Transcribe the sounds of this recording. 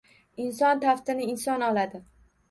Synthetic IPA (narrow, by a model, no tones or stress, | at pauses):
ɪnsɒnt̪ʰaft̪ɪnɪɪnsɒnɒlad̪ɪ